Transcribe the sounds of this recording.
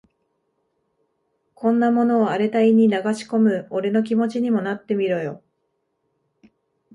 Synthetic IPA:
kõ̞nːamo̞no̞ːaɾe̞t̪aiɲ̟inaɡaɕi̥ko̞mɯ̟oɾe̞no̞k̬ʲimo̞t͡ɕiɲ̟imo̞nat̪ːe̞mʲiɾo̞jo̞

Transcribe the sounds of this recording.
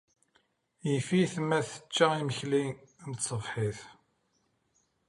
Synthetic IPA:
jifiθmːæθə̥t͡ʃːæiməçlinnt̪sˤəvħiθ

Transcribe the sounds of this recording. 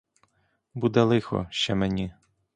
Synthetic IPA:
bud̪ɛlˠɪxɔ̰ʃt͡ʃɛmenʲi

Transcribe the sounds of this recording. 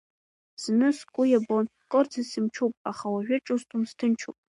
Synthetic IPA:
z̥nɨskʷʼʊjabon | kʼɔrt͡sʰasɨmt͡ʃʰupʼaχawaʒᶣʊʈ͡ʂʼustʼumstʰɨnt͡ʃʰṵpʼ

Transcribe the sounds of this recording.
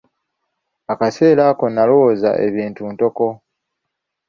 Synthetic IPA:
akase̞ːlaːko̞nːalwoza̰ʔe̞̰βiːntunto̞ko̞

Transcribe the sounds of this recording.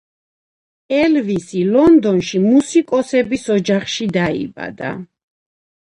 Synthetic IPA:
ɛlvisilɔnd̪ɔnʃimusikʼɔsɛbisɔd͡ʒaχʃid̪aḭba̰d̪a̰

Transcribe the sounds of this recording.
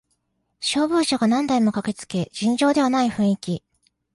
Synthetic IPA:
ɕo̞ːbɯ̟ːɕaɡanãnd̪aimo̞kake̞t͡sɨ̥ke̞ʑĩɲd͡ʑo̞ːd̪e̞β̞anaiɸɯ̟̃ɰ̃ikʲi

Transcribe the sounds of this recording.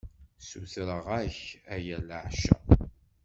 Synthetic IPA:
suθɾəʁæçæjæləʕʃæ̰

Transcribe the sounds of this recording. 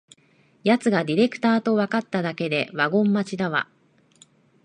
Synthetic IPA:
jat͡sɨɡad̪ʲiɾe̞kɯ̥t̪aːt̪o̞βakat̪ːad̪ake̞d̪e̞βaɡõ̞mːat͡ɕid̪aβa̰

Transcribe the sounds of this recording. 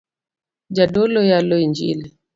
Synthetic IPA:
d͡ʒadɔlɔjalɔiɲd͡ʒḭli

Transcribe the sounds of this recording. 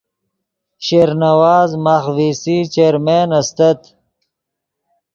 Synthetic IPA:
ɕeːɾnɐwaːzmaːxviːsit͡ʃeːɾmeːnɐst̪ɐt̪

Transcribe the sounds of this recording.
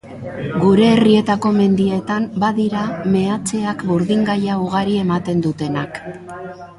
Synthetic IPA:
ɡuɾe̞ːrie̞t̪ako̞me̞nd̪ie̞t̪ambaðiɾame̞at͡se̞akbuɾðiŋɡajauɣ̞aɾie̞mat̪e̞nd̪ut̪e̞nak

